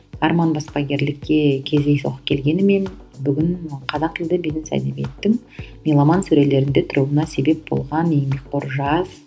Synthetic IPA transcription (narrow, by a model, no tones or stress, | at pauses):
ɑɾmɑnbɑspɑɡʲe̞ɾlɪkʲːe̞kʲʰe̞zd̪e̞jso̰qə̥p̚kʲʰe̞lɡʲe̞nɪme̞n | bʏɡʲɪɴqʰɑzɑqɪld̪ɪbenɪnsæ̰d̪ebe̞̰t̪ːɪŋ | mejlˠɑmɑnsɵɾele̞ɾɪnd̪e̞t̪ʰʊɾuwˠənɑse̞be̞p̚bo̞̰lˠʁɑnejmek̚qo̞ɾʒɑz̥